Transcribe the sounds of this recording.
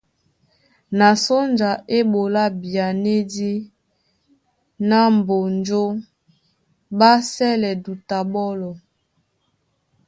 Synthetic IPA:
na˨so˦nd͡ʒa˨ʔe˦bo˨la˦bi˨a˨ne˦di˦ | na˦m˨bo˨nd͡ʒo˦ | ba˦sɛ˦lɛ˨du˨ta˨bɔ˦lɔ˨

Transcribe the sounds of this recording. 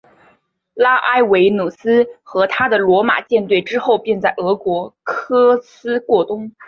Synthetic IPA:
la˥ʔa˥˩ɪwe˧˥ɪnu˨˩sɹ̩˥xɤ˧˥t̪ʰa˥d̪ə˨lwɔ˧˥ma̰˨˩t͡ɕjɛ˥˧nt̪we˥˩ɪʈ͡ʂɻ̩˥xo˥˧ʊpjɛ˥˧nt͡sa˥˩ɪɤ˧˥kwɔ˧˥kʰɤ˥sɹ̩˥kwɔ˥˩t̪ʊ˥ŋ

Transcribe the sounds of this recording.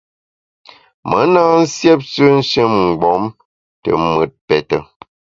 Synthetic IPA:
mə˨˦na˦n̩˦sjɛ˦p̚t͡ʃə˦n̩˦ʃe˦˨mŋ͡m̩˨ɡ͡bɔ˨˦m | tə̰˨mə˨t̚pɛ˨tə˨

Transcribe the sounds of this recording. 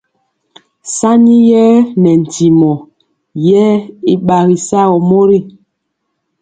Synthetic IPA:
sa˦ɲi˦jɛ˦nɛ˨n̩˨ti˨mɔ˨ | jɛ˦i˦ɓa˨ɣi˨sa˦ɣɔ˨mo˦ɾi˦˨

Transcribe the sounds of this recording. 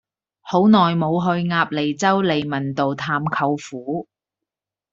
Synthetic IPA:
ho˨˥wnɔː˨˩jmo˨˧wɦɵ˧ɥŋaː˧p̚le˨˩jt͡sɐ˥wle˨jmɐ˨˩nt̪o˨wt̪ʰaː˧mkʰɐ˧wfuː˨˥

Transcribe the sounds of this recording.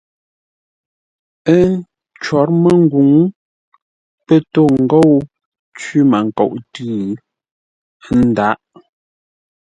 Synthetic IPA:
ə˦ | t͡ʃwɔ˨˦ɾmə˦ŋ̩˦ɡu˨˦ŋ | pə˦to˦˨ŋ̩˨ɡo˦˨w | t͡ʃi˦ma˨ŋ˨ko̰˨ʔtʉ˦˨˦ | n̩˦˨da˨˦ʔ

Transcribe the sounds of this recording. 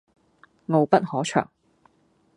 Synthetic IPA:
ŋo˨˧wpɐ˦˥t̚hɔː˨˥t͡ʃʰœ̰ː˨˩ŋ

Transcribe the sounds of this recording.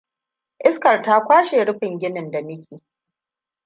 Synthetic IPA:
ʔɪ˦skɐ˨rtaː˦kʷaː˦ʃeː˨ɽʊ˦ɸɪ˨ŋɡʲɪ˦nɪ˨nda˨mɪ˦kʲiː˨

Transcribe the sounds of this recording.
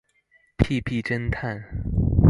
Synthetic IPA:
pʰi˥˧pʰi˥˩ʈ͡ʂə˥nt̪ʰa˥˩n

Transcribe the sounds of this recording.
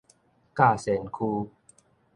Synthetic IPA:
kaː˧˩se˨˦nkʰuː˧

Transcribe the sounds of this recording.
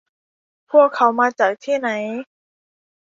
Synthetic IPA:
pʰu˥˩əkʰːa˨˦˥wmaː˧t͡ɕaː˨˩k̚t̪ʰiː˥˩na˩˦j

